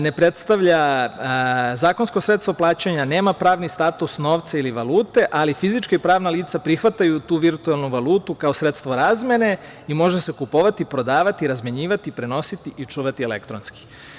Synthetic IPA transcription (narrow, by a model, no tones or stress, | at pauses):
ne̞pɾe̞t̪st̪aʋʎa | zaːko̞nsko̞sɾet̪st̪ʋoplˠaːt͡ɕeɲane̞ːmapɾaːʋnist̪at̪usno̞ːʋt̪sailiʋalˠuːt̪e̞ʔalifizit͡ʃkaipɾaːʋnaliːt̪sapɾixʋat̪ajut̪uːʋiɾt̪ualˠnuʋaluːt̪ukao̞sɾe̞t̪st̪ʋo̞ɾaːzme̞ne̞ | imo̞ʒese̞kupoʋat̪ipɾo̞d̪aːʋat̪iɾazmeɲiːʋat̪ipɾe̞no̞sit̪iʔit͡ʃuːʋat̪ielḛkt̪ɾonski̥